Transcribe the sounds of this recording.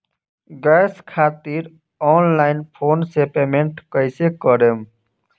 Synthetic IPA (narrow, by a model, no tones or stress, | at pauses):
ɡɛskʰaːt̪iːɾ | ɔːnlaːɪnpʰoːnsepemẽɳʈkəɪsekəɾem